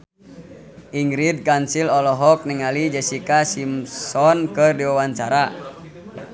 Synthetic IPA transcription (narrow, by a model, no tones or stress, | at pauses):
ʔiŋɡɾid̪̚kansilɔlɔɦɔk̚niŋalid͡ʒɛsikasimsɔnkɨrdiwawaɲt͡ʃaɾa